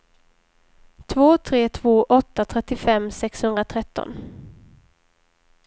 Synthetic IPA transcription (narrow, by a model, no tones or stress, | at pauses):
t̪ʰvoːt̪ʰɾeːt̪ʰv̥oːʔɔt̪ːat̪ʰɾɛt̪ːɪfɛmːsɛkshɵnd̪ɾat̪ʰɾɛt̪ːɔ̰n